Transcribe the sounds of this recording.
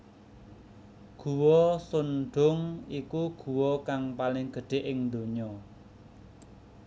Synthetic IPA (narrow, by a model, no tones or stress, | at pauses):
ɡ̥ṳwɔsunɖʊŋikuɡ̥ṳwɔkaŋpalɪŋɡ̥ə̤ɖ̪̥e̤ʔɪŋd̪o̤ɲɔ